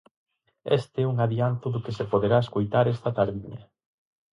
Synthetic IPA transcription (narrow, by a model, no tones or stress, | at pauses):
est̪eɛuŋaðiant̪ʊðʊkɪsepoðeɾaeskojt̪aɾɛst̪ɐt̪aɾðiɲɐ